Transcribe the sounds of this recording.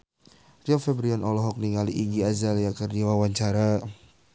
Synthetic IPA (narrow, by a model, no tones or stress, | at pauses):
riɔfɛbɾiɔnʔɔlɔɦɔk̚niŋaliʔiɡiazaljakərdiwawaɲt͡ʃaɾa